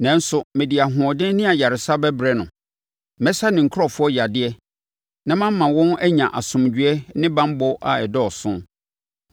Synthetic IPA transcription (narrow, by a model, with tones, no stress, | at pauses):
nɛ̃˨˦n̩˦sʊ˨mɪ̃˨di˨a˨ɦʊ̃˨ɔ˨dɪ̃˦nɪ̃˦a˨ja˨ɾɪ˨sa˦bɛ˦bɾɛ˦nʊ̃˨ | mɛ̃˦sa˦nɪ̃˨ŋ̩˨kʰʊ˦ɾɔ˨fʊ˦ɔ˦ja˨dɪ˦ɛ˦ | nã˦mã˦mː˦ã˨wɔ̃˦næ˦ɲã˨ʔa˨sʊ̃˨md͡ʑᶣɥɛ˦nɪ̃˦bã˦m˦bɔ˦ʔa̰˨ɛ˨dɔ˦˨sʊ̃˦